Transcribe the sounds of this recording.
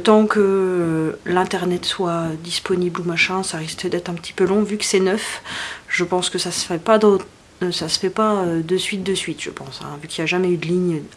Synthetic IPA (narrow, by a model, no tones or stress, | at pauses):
t̪ɑ̃kə | lɛ̃t̪ɛʁnɛt̪swad̪ispɔniblumaʃɛ̃saʁiskd̪ɛt̪χɛ̃pət̪i̥pølɔ̃vykə̥sɛnœfʒ̥əpɑ̃skəsasə̥fɛpad̪ot̪ | sasə̥fɛpaød̪əsɥit̪̚d̪əsɥit̪ʒ̥ə̰pɑ̃sɛ̰̃vykʲiljaʒamɛyd̪əliɲ